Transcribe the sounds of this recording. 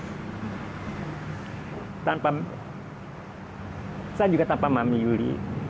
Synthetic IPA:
tapa | sad͡ʒukat̪ampamamijuɾḭ

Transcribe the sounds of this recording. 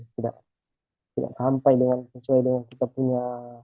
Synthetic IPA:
t̪ida̰ʔ | t̪ida̰ʔkɦampajdəŋansəsuajdəŋankit̪apuɲa

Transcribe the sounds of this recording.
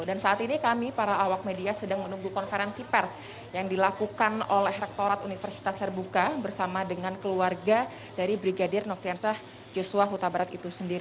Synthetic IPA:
dansaʔat̪inikamipaɾaːwak̚mediasədaŋmənuŋɡukɔnfeɾɛnsipɛrs | jaŋdilakukanolɛhrɛk̚t̪oɾat̪unifərsi̥t̪ast̪ərbukabərsamadəŋankəluarɡa | d̥aɾibɾiɡadɪrnɔfɾiansah | d͡ʒosuaɦut̪abaɾat̪it̪usəndi

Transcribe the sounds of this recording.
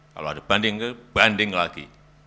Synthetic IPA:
ka̰loadab̥andɪŋkəb̥andɪŋlaɡ̥ḭ

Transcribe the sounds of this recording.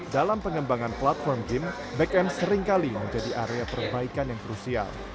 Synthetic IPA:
dalampəŋəmbaŋanplat̪̚fɔrmɡɪm | bɛkɛmsəɾɪŋkaliməɲd͡ʒadiʔaɾeapərbaikanjaŋkɾusia̰l

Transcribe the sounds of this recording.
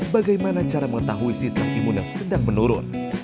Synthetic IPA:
baɡajmanat͡ʃaɾaməŋət̪aɦuisist̪əmʔimʊnjaŋsədaŋmənuɾʊ̰n

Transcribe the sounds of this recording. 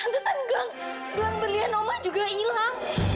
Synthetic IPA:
d̪usanɡaŋ | daŋbəlianomad͡ʒuɡailaŋ

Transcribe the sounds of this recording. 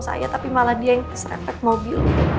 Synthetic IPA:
sa̰ja̰t̪apimalahdiajaŋsɾa̰fɛt̪̚mobil

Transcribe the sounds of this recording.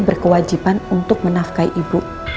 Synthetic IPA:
bərkəwad͡ʒipanunt̪ʊk̚mənafkaiʔibu

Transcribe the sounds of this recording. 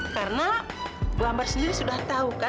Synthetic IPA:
karna | blambarsəndiɾisudaht̪auka

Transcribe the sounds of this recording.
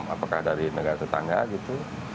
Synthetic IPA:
ma̰pakahdaɾinəɡaɾat̪ət̪a̰ŋɡa̰ɡit̪u

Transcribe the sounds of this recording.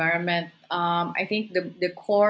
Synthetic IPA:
aɹɔ̃nmɛ̃nt̚ʌ̃ma̰jθɪ̃ŋk̚d̪əd̪əkʰɔ

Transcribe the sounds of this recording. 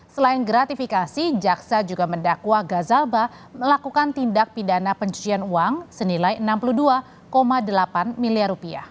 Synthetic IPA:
səlaɪnɡɾat̪ifikasid͡ʒaksad͡ʒuɡaməndakuaɡazalba | məlakukant̪indak̚pidanapəɲt͡ʃu̥t͡ʃianuaŋsənilajənampuluhdua | komadəlapanmiliarupia̰h

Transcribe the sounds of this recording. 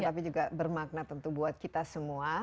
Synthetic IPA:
apid͡ʒuɡabərmak̚nat̪ːənt̪ubuat̪̚kit̪asəmua

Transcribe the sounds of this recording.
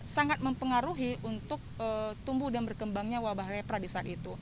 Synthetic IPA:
saŋat̪̚məmpəŋaɾuɦiʔunt̪ʊk̚ət̪umbudanbərkəmbaŋɲawabaɦlepɾadisaaːt̪̚it̪u

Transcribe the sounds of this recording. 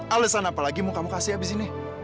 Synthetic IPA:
alesanapalaɡimʊkamʊkasɪabizine

